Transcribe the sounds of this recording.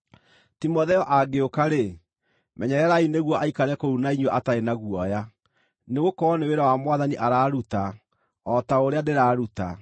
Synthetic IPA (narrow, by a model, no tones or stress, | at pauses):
timɔðɛɔʔaɡeokaɾe | mɛɲɛɾɛɾaineɣwɔʔaikaɾɛkoɾunaiɲwɔʔataɾenaɣwɔja | neɣokɔːneweɾawamwaðaniʔaɾaːɾuta | ɔtaoɾeadeɾaːɾuta̰